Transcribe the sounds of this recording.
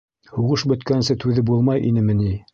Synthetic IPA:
huʁɤʃbɵ̆t̪kænnsɘt̪ʉðɘbulˠmɑjʔḭnɘmɘ̆ni

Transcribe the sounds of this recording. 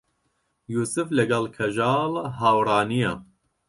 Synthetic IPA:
juːsɨflɐɡɐlkʰɐʒɑːlɦaːwɾˤɑːnija

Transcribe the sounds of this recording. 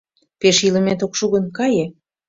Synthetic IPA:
peʃilə̆met̪okʃuɣə̆nkɑje

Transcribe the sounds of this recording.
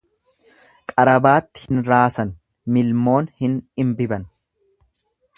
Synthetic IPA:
kʼɐɾɐbaːt̪ːɪ̥hɪnɾaːsɐn | mɪlmo̞ːnhɪnɪmbɪbɐn

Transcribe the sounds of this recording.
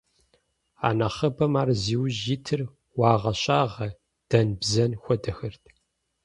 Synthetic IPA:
a̰ːnɐχɐbɐmaːrziːwʒitʰɨr | wɑːʁɐɕʼaːʁɐ | d̥ɐnbzɐnxʷɔdɐxɨrtʰ

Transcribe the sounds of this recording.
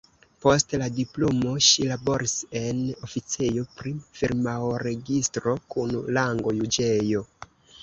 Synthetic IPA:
po̞stladiplomo̞ʃilabo̞ɾise̞no̞fit͡sejo̞pɾifiɾmawɾe̞ɡistɾo̞kunlaŋɡo̞jud͡ʒejo̞

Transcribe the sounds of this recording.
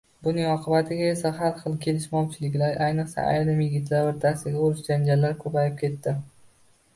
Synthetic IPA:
bʊnɪŋɒqʰɨbat̪ʰɪɡʲae̞saɦalχɨlˠkʲʰe̞lɪʃmɒwt͡ʃʰɪlɪkʲlaɾʔajnɨqsa̰ʔa̰jɾɪmjɪɡʲɪt̪laɾbɪɾt̪ʰasɪɡʲaoɾɪʃd͡ʒand͡ʒalːaɾkʰɵpajɪp̚kʲʰe̞t̪ːɪ

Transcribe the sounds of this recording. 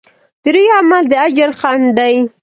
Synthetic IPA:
d̪̥əɾujamald̪əad͡ʒaɾxand̪aj

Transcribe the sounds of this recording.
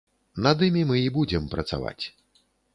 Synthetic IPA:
nad̪ɨmʲimɨibud͡zʲɛmpɾɐt̪sa̰va̰t͡sʲ

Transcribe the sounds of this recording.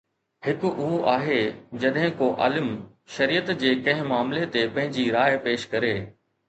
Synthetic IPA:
hɪkʊʔʊɦoʔaːɦed͡ʑɐɗɦɪ̃koʔa̰ːləm | ʃɐɾiːət̪d͡ʑeːkɐ̃ɦɪ̃maːmlet̪epɐ̃ɦɪ̃ɲd͡ʑiɾaːɪpeːʃkɐɾeː

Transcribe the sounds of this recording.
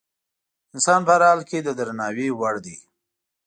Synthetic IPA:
ɪnsɑnpəaɾhɑlked̪əd̪ɾanɑwewaɽd̪i

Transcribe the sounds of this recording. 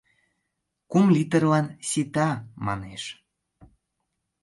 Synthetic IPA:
kumlʲit̪ə̆rlɑnset̪ɑmɑ̰neʃ

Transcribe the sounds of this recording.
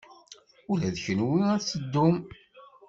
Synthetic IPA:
ulæðçənwiæt͡sːəd̪ːʊm

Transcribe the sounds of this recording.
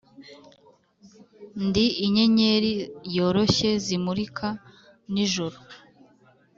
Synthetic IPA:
ndiːɲe̞ɲeɾijo̞ːɾo̞çe̞zimuɾikʰa | niʒoɾo

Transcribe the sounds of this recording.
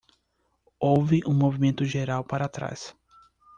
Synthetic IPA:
owvɪʔũmovimẽnt̪ʊʒeɾawpaɾat̪ɾa̰s

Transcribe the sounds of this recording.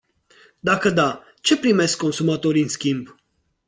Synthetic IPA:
d̪ɑkʰəd̪ɑ | t͡ʃʰɛpɾimɛskɔnsumɑt̪ɔɾinskimb

